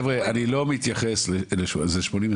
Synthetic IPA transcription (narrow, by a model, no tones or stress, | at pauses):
vʁeanilo̞mit̪jaχesleleʃzeʃmonim